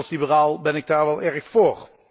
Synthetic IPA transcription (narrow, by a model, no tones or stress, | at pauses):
lˠslibəraːlˠbɛnɪɡ̚daːɹʋɛlˠɛɹxfoːr